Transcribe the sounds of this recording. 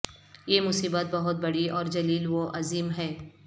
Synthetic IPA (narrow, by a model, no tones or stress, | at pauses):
jemʊsiːbət̪̚bɐɦʊt̪̚bɐɽiɔːɾd͡ʒɐliːlʋoʔɐziːmɦɛː